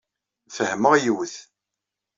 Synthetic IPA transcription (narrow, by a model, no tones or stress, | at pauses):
fəhməʁjuwθ